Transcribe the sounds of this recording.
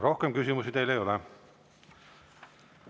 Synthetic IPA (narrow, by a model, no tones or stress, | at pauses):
ɾo̞hkemkysimusit̪ejlejo̞le